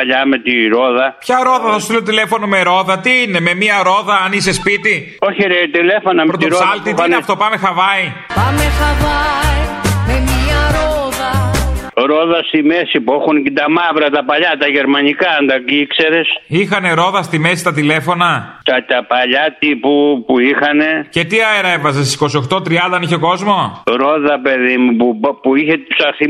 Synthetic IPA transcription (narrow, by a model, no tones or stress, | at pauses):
ɐʎɐmet̪iɾo̞ðɐpçɐɾo̞ðɐθɐsusilt̪ile̞fo̞nome̞ɾo̞ðɐt̪iine̞me̞miɐɾo̞ðɐɐnisespit̪i | o̞çiɾet̪ilefo̞nɐmepɾot̪oɾosɐlt̪iɐeɐft̪o̞pɐme̞xɐvɐi | pɐmexɐvɐimemiɐɾoðɐ | ɾoðɐst̪imesipuexunket̪ɐmɐvɾɐt̪ɐpɐʎɐt̪ɐʝeɾmɐnikɐɐnd̪ɐkikseɾesixɐne̞ɾo̞ðɐst̪ime̞si̥st̪ɐt̪ile̞fo̞nɐt̪ɐt̪ɐpɐʎɐt̪ipupuixɐne̞ce̞t̪iɐeɾɐevɐzest̪isi̥ko̞sio̞xt̪o̞t̪ɾiɐnd̪ɐniçeoko̞zmo̞ɾoðɐpe̞ðimupupuiçet̪ipsɐɾθi